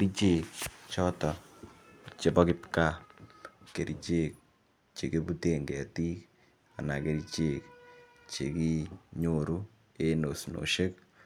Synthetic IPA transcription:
kɾi˦t͡ʃe˦kt͡ʃɔ˦tɔ˨ | t͡ʃe˨pɔ˦kɪpka˦ | ke˨ɾit͡ʃe˦˨k̚ | t͡ʃe˨ke˦pu˦te˨ŋɡɛ˨ti˦k | a̰˨na˨ke˦ɾit͡ʃe˨k | t͡ʃe˨ki˦ɲoɾu˦ | e˦no˨sno̰˨ʃe˦k̚

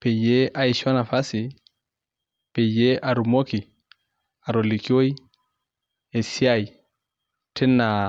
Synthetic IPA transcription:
pe˨je˦ʔa˦i˨ʃɔ˦na˨fa˦si˨ | pe˨je˦ʔa˨ɾu˨mo˦ki˨ | a˨ɾo˨li˨ki˦o˦j | e˨si˦a˦j | tʰɛ˦nːa˨

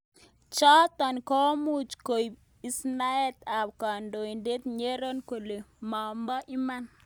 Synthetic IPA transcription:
t͡ʃɔ˦t̪a˨nkɔ˦mu˦t͡ʃko˨i˨ | i˦sna˦ɛ˦t̪a˨bka˨ndo˨i˨nde˦t̪ɲe˦ɾo˦nko˨le˨ma˨mba˦ʔi˦ma˦n

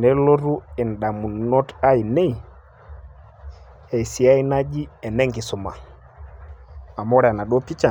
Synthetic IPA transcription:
nɛ˦lɔ˦ɾu˦ɛ˨n̩˨ɗa˨mu˨nɔ˦ta˦i˨nɛ˦i˨ | hɛ˨i˨si˨a˦i˦na˦d͡ʒi˦ɛ˨nɛ˦ŋɡi˨sɔ˨ma̰˨ | a˨mɔ˦ɾɛ˨a˨na˨ɗɔ˦pi˦t͡ʃa˨

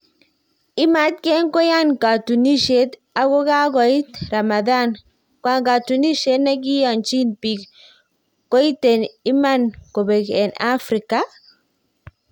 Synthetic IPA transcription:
i˦ma˦tkɛ˦nkɔ˦ja˦nka˨tu˨ni˦ʃe˦t | a˨kɔ˦ka˦ɡɔ˨i˦tɾa˨ma˨da˦˨n | kwa˦ŋka˨tu˨ni˦ʃe˦tna˦ɡi˦ja˨nt͡ʃi˦npi˨k | ko˦i˦te˨ni˦ma˦nko˨be˨kɛ˨na˦fɾi˨ka˨

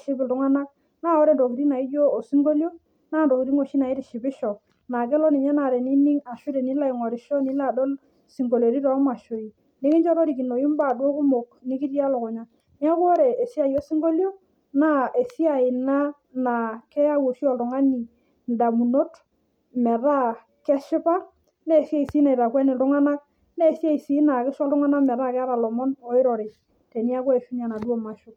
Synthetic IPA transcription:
ʃi˦bɪ˨ltʊ˨˦ŋa˦na˦ | naː˦˨ɔ˦ɾe˨ndo˨ki˨ɾi˦na˨i˦d͡ʒoː˦˨si˦ŋɡo˦ljo˦ | naː˦˨ndo˨ki˨ɾi˦ŋo˨ʃi˦na˨i˦ɾi˨ʃi˨bɪ˦ʃɔ˨ | na˨kɛ˦lɔ˦ni˨ɲɛ˦na˨ɾe˨ni˦ni˦ŋa˨ʃu˦ɾe˨ni˨˦la˦i˨ŋɔ˨ɾi˨ʃɔ˦ni˦la˨do˦l | si˨ŋɡo˨ljo˨ɾi˦ɾɔ˨˦ma˨ʃo˨i˨ | ni˦ŋi˦nt͡ʃɔ˦ɾo˦ɾi˨ki˨no˨ji˦m˦ba˦˨dwo˦ku˦mo˨kni˦ki˦ti˦a˦lo˨kʊ˨ɲa˨ | ni˦a˦ku˦o˦ɾe˨e˨si˦a˨ji˦o˦si˦ŋɡo˦ljo˦ | na˦e˨si˦a˨ɪ˨na˦ | na˨kɛ˦ja˦wo˨si˦ɔ˦˨ltʊ˨ŋa˦ni˨ | nda˨mu˨no˦t | mɛ˨ɾa˦ | kɛ˦ʃɪ˦pa˦ | ne˦˨sja˦˨i˨si˦na˨i˨ta˨kwɛ˦nɪ˨tʊ˦ŋa˦na˦ | ne˦˨si˦a˦i˨si˦na˨kɪ˦sɔ˦ltʊ˦ŋa˦na˦mɛ˨ɾa˦kɛ˦a˦ɾa˨lɔ˨mɔ˦nɔ˨˦ɪ˦ɾɔ˨ɾɪ˨t͡ʃ | te˨ni˦a˦kɔ˦e˨ʃu˦n˦a˨na˨dwo˦ma˨ʃʊ˦

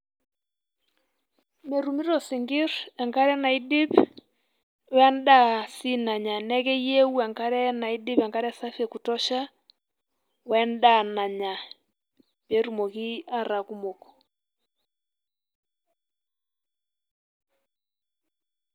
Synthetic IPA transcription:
me˨ɾu˨mi˦ɾɔ˨si˨ŋɡi˦ɾɛ˨ŋka˦ɾɛ˦na˨i˦di˦p | wɛ˦nda˦si˦na˨ɲa˨nɛ˦kɛ˦je˦u˦a˨ŋka˦ɾɛ˦na˨i˦di˦pa˨ŋka˦ɾɛ˦sa˦fɛ˨ku˨tɔ˦ʃa˦ | wɛ˦nda˦˨na˨ɲa˨ | be˨˦ɾu˨mo˨ki˦a˦ɾa˨ku˦mo˨kɔ̥˨

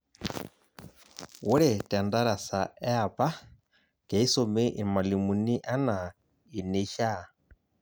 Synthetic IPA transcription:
wu˦ɾɛ˨ta˨nda˦ɾa˨sa˨ɛ˦a˨pa˦ | kɛ˨i˦so˨me˦ʔi˨ma˨li˨mu˨ni˦ʔa˦na˨ | i˨ne˦ʃa˦˨

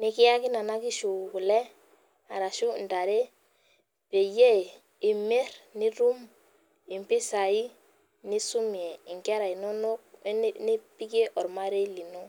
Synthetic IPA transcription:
ni˦ki˦ja˦ki˦na˨na˦ki˦ʃu˨ku˨le˦ | a˨ɾa˨ʃu˦˨n˨da˨ɾe˦ | pe˨je˦˨ | i˨me˦ɾni˦ɾu˦m | i˨mpi˦sa˨i˦ | ni˦su˦mi˨e˨i˨ŋke˦ɾa˨i˨no˦no˦k̚ni˦pi˦ke˦ʔɔ˨ɾma˦ɾe˦li˨no˦

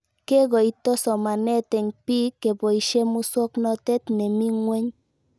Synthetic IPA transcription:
ke˦ɡɔ˨i˦tɔ˦sɔ˨ma˨nɛ˦tɛ˨ɲpi˦kːe˨bo˨i˨ʃe˦mu˦swɔ˦knɔ˦tɛ˦t̪nɛ˨mi˦ŋwe˦ɲ

